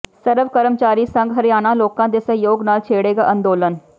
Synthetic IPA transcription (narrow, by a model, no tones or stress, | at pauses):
səɾəʋkəɾəmt͡ʃaːɾiːsəŋɡɦəɾɪjaːnãːloːkãːd̪eːsəɦjoːɡnaːlt͡ʃʰeːɽeːɡaːʔə̃nd̪oːlən